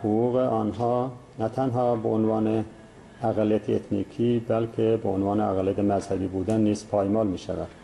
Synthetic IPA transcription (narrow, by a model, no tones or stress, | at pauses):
huɣuːɣeʔɒːnɦɑːnæt̪ʰænɦɑːbeonvɑːne | æɣælːijæt̪ʰeet̪ʰniːkʰiːbælkʰebeonvɑːneæɣælijæt̪ʰemæzhæbiːbuːd̪ænːiːz̥pʰɑːjmɑːlmiːʃæ̰væ̰d̪̥